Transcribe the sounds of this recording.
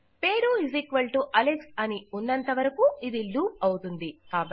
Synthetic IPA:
pe̞ːɾuizikʋɐɭʈuʔɐleksɐniunːɐnt̪ɐʋɐɾɐkuid̪iluːp̚ɐwut̪und̪ikaːbɐ

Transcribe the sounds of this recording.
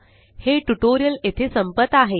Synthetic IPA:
heʈuʈoɾijəlet̪ʰesəmpət̪ːaɦe

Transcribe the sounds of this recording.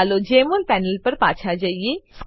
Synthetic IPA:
lod͡ʒeːmʊlpɛːnəlpɐɾpaːt͡ʃʰad͡ʒaːiesk

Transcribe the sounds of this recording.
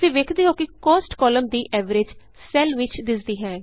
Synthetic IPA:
sĩːʋeːkʰd̪iːɦoːkɪkɔːsʈkɔːləmd̪iːʔʔɛːʋəɾed͡ʒ | sɛːlʋɪt͡ʃd̪ɪsd̪iːɦɛː

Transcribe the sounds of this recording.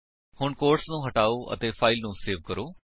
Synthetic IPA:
hʊɳkoːɾʈsnũːɦəʈaːoːʔə̰t̪eːpʰaːɪlnũːseːʋkəɾoː

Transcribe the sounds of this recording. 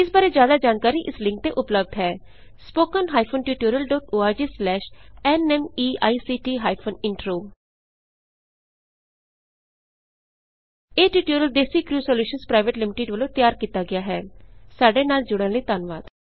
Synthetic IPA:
ɪsbaːɾeːd͡ʒjaːd̪aːd͡ʒaːnkaːɾiːʔɪslɪ̃ŋk̚t̪eːʔʊpləb̚d̪ɦɛː | spoːkənɦaːjipʰoːnʈjuːʈuːɾəlɖɔːʈoːaːɾd͡ʒiːslɛːʃɛnɛːmiːa̰ːisiːʈiːɦaːipʰoːnɪɳʈɾoː | eːʈjuːʈuːɾəld̪eːsiːkɾuːsɔːljuːʃənspɾaːɪʋəʈlɪmɪʈeːɖʋəlõːt̪jaːɾkiːt̪aːɡɪjaːɦɛːsaːɖeːnaːld͡ʒʊɽ̃ə̃ləiːt̪aːnʋaːd̪̥

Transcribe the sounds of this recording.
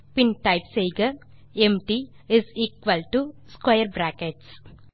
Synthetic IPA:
pĩnʈaɪpsejɡɐẽmʈi | ɪziːkʋəlʈuskajəɾbɾæːkeʈs

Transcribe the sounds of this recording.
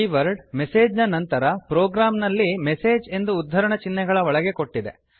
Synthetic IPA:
iʋɐɾɖmese̞ːd͡ʒnɐnɐnt̪ɐɾɐpɾoːɡɾaːmnɐlːimese̞ːd͡ʒe̞nd̪uːd̪ʱːɐɾɐɳɐt͡ʃinːɛɡɐɭɐɔɭɐɡe̞ko̞ʈːid̪ḛ

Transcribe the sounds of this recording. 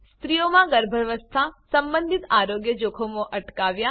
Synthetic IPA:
st̪ɾijomãɡəɾbʱəɾʋəst̪ʰasəmbənd̪ʱit̪aɾoɡjəd͡ʒokʰomõʔəʈkaʋja

